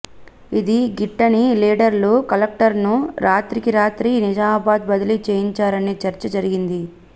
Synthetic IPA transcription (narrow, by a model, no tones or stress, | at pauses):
id̪iɡiʈːɐniliːɖɐɾluːkɐlɐk̚ʈɐɾnuɾʔaːt̪ɾikiɾaːt̪ɾinid͡ʒaːbaːd̪̚bɐd̪ɐilit͡ʃeːjiɲt͡ʃaːɾɐneːt͡ʃɐɾt͡ʃɐd͡ʒɐɾiɡind̪i